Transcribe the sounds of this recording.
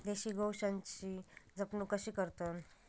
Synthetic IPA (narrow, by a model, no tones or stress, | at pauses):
d̪eɕiːɡʱowɕãɲt͡ɕid͡zəpnukəɕiːkəɾt̪ən